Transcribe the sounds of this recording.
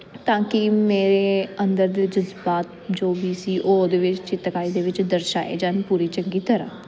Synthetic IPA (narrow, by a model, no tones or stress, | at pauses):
t̪ãːkɪmeːɾeːənd̪əɾd̪eːd͡ʒəzbaːt̪̚d͡ʒoːbiːsiːʔoːd̪eːʋɪt͡ʃt͡ʃɪt̪kaːiːd̪eːʋɪt͡ʃd̪əɾʃa̰ːḛːd͡ʒaːnpuːɾiːt͡ʃəŋɡiːt̪əɾã̰ː